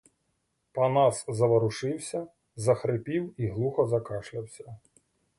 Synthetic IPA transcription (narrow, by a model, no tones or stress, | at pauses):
pɐnaszɐʋɐɾuʂɪwsʲɐ | zɐxɾɪpʲiwiɦlˠuxɐzɐkaʂlʲɐwsʲɐ